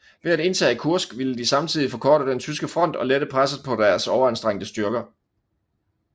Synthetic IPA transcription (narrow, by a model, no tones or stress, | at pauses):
ʋe̝æde̝nt͡sʰɛ̰ːkʰuɐsɡ̥ʋiləd̥isɑ̈mt͡sʰið̞̰ˠifɒ̽kʰɒːɾəd̥ent͡sʰysɡ̥əfʁɒ̽n̰d̥ɒ̽leɾ̥əpʰʁasəpʰɒ̽d̥æɐsɒʊɐænsd̥ʁeŋ̰d̥əsd̥ɶɐɡ̥ɐ